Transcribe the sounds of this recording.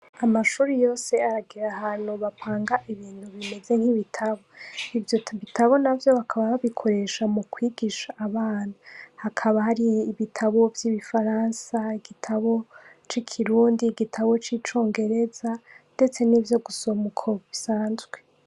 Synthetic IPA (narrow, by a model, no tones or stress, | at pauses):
amaʃuːɾijo̞ːse̞aɾaɡiɾahaːn̥huβapaːŋɡaʔiβiːn̥huβime̞ze̞ŋ̥hiβitʰaβo̞ivjoβitʰaβo̞navjo̞βakʰaβaβaβikʰo̞ɾe̞ʃamukwiːɡiʃaʔːβaːnahakʰaβahaɾiːβitʰaβo̞vjiβifaɾaːnsaiɡitʰaβo̞t͡ʃikʰiɾuːndiɡitʰaβo̞t͡ʃit͡ʃo̞ːŋɡe̞ɾe̞zande̞t͡se̞niːvjo̞ɡuso̞mukʰo̞βisaːnzɡwe̞